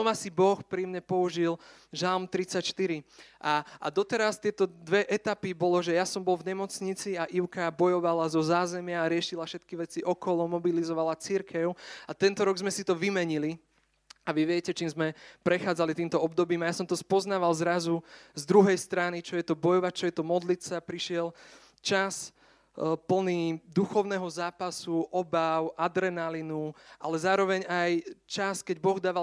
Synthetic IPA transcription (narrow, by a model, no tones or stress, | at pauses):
ɔmasibɔxpɾimɲɛpɔuʒilʒalmt̪ɾit͡sacʃt̪iɾiʔaa̰d̪ɔt̪ɛɾast̪ɪɛt̪ɔd̪ʋɛʔɛt̪apibɔlɔʒɛjasɔmbɔlvɲɛmɔt͡sɲit͡siaʔiʊkabɔjɔʋalazɔzaːzɛmɪaːɾɪɛʃilafʃɛt̪kiʋɛt͡siʔɔkɔlɔmɔbilizɔʋalat͡siɾkɛʊat̪ɛnt̪ɔɾɔɡzmɛsit̪ɔʋimɛɲili | aʋiʋɪɛcɛt͡ʃiːmzmɛpɾɛxaːd͡zalit̪iːmt̪ɔɔb̚d̪ɔbiːmajasɔmt̪ɔspɔznaːʋalzɾazuzd̪ɾuɦɛjst̪ɾanit͡ʃɔjɛt̪ɔbɔjɔʋac̚t͡ʃɔjɛt̪ɔmɔd̪lit̪t͡sapɾiʃɪɛl | t͡ʃas | pl̩nid̪uxɔʊnɛɦɔzaːpasuʔɔbaʊʔad̪ɾɛnalinuʔalɛzaːɾɔʋɛɲajt͡ʃaskɛɟbɔɣd̪aːʋa